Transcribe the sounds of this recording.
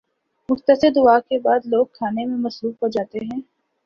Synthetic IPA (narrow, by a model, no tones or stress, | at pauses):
mʊxt̪əsɪɾd̪ʊaːkebaːd̪loːɡ̚kʰaːnemẽmɐsɾuːfkɐɾd͡ʒaːt̪eɦɛ̃ː